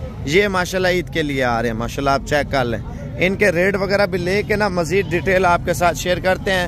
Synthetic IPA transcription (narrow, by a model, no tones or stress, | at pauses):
jeːmaːʃaːlːaiːt̪kelɪeaːɾeɦɛ̃maːʃaːlːaːp̚t͡ʃɛːkːəlɛ̰̃ː | ɪnkeɾeːɖʋəɡɛːɾabʱileːkenaməziːd̪̚ɖiːʈeːlaːp̚kesaːt̪ʰʃeːəɾkəɾt̪eɦɛ̃ː